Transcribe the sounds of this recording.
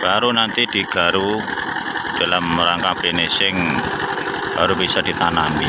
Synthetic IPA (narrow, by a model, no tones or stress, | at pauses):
b̥aɾunant̪id̪̥i̤ɡ̥a̤ɾu | d̪̥a̤lamɾaŋkab̥ɾenesɪŋ | b̥aɾubisɔd̪̥i̤t̪anami